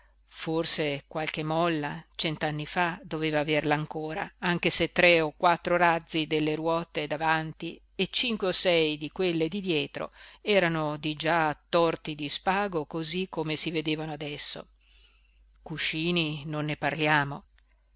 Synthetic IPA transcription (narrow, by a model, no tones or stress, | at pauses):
forsekwalk̟emɔlːat͡ʃɛnt̪anːifad̪oveːvaːverlaːŋkoːɾa̰aŋk̟eset̪ːɾeokwat̪ːɾoɾad̪zːid̪elːeɾwɔːt̪ed̪avant̪i | et͡ʃiŋkweosɛjd̪ikwelːed̪id̪jɛːt̪ɾo̰ɛːɾanod̪id͡ʒaːt̪ːɔrt̪id̪ispaːɡokozikʰːomesived̪eːvanoad̪ɛsːo̰ | kuʃiːninonːeparljaːmo